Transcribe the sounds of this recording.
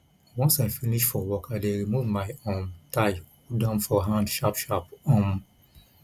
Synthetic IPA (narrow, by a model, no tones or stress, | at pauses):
wɔ̃nsaɪfiniʃfɔwɔkadeɹimuvmajõntaj | udãmfɔɦãndʃapʃapɔ̃m